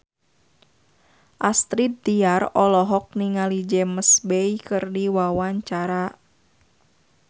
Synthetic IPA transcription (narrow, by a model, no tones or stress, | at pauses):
ʔast̪ɾit̪̚diarɔlɔɦɔk̚niŋalid͡ʒɛməsbɛjkɨrdiwawaɲt͡ʃaɾa